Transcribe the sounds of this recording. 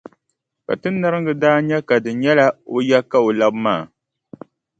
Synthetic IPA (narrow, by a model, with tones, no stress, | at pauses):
ka̰˨tɨ˦nː˦a˦ɾɨ˦ŋɡɨ˦daː˦ɲɛ˦ka˨dɨ˨ɲɛ˦la˦o˦ja˦ka˦o˨la˦bmaː˦˨